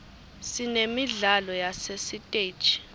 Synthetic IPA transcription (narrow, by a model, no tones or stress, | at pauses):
sinemiɮalɔjasesitʼe̥ːʒʱʼi̥